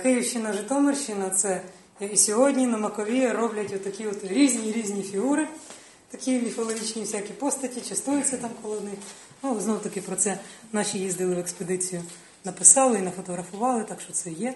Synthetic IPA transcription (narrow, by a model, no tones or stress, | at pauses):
kɪjiwʃt͡ʃɪnɐʒɪt̪ɔmerʃɪnɐt̪sɛ | jɐkɪsʲɔɦɔdʲnʲinɐmɐkɔʋʲiɾɔblʲɐtʲɔt̪ːɐkʲiɔt̪ɾʲizʲnʲiɾʲizʲnʲifʲiɦuɾɪ | t̪ɐkʲimʲifɔlˠɔɦʲit͡ʃnʲiwsʲakʲipɔst̪ɐtʲit͡ʃɐst̪ujʊt͡sʲːɐt̪ɑmkɔlˠɔwnɪx | nuznɔwt̪ɐkɪpɾɔt̪sɛnɑʃʲijizd̪ɪlˠɪʋeksped̪ɪt͡sʲijʊ | nɐpɪsɑlˠɪinɐfɔt̪ɔɦɾɐfʊʋɑlˠɪt̪ɑkʃt͡ʃɔt̪sɛjɛ